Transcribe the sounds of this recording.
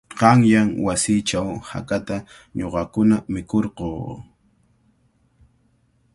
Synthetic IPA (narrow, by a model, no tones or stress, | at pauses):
qɑŋjaŋwasɪt͡ʃawha̰kat̪a | ɲoqɑkʊnamɪkoɾqoː